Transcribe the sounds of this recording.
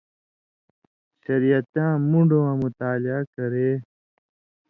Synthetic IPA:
ʃəɾijət̪jãːmũɳɖoːãːmʊt̪aːlɪaːkəɾeː

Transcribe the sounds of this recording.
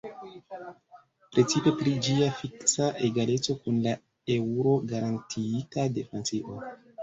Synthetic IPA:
pɾʔe̞t͡sipe̞pɾid͡ʒiafiksaʔeɡale̞t͡so̞kunla | e̞uɾo̞ɡaɾantʰitadefent͡siʔo̞

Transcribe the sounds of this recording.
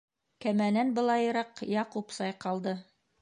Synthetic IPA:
kæmænænbɤ̆lˠɑjɤ̆ɾɑqjɑqupsɑjqɑlˠd̪ɤ

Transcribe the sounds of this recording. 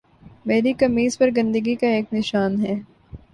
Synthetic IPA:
meːɾikɐmiːzpɐɾɡɐ̃nd̪əɡikaeːknɪʃaːnɦɛː

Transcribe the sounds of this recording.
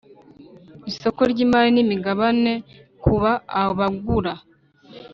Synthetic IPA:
iso̞ko̞ɾɟiːmaɾinimiɡaβane̞kuβaːoβaɡuɾa

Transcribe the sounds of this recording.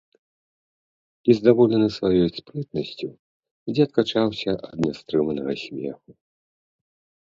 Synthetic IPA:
izd̪avɔlʲɛnɨsvajɔjspɾɨt̪nɐsʲt͡sʲu | d͡zʲɛɐt̪̚kat͡ʂawsʲɐʔɐ̰d̪nʲast̪ɾɨmɐnɐɣɐsʲmʲɛ̰xu

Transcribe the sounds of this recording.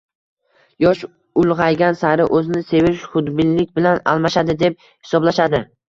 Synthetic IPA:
jɒʃ | ʊlˠʁɑjɡʲansaɾɪʔɵzɪnɪse̞vɪʃχʊd̪bɪnlːɪkʲbɪlana̰lˠmaʃad̪ɪd̪e̞p̚ | hɪ̥sɒblaʃad̪ɪ

